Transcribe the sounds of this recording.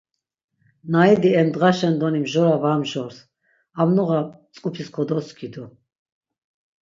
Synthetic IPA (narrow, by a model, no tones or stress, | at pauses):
naid̪iɛmd̪ʁaʃɛnd̪ɔnimʒɔɾavamʒɔɾs | amnɔʁa | t͡sʼkʼupʰiskʰɔd̪ɔskʰid̪ɔ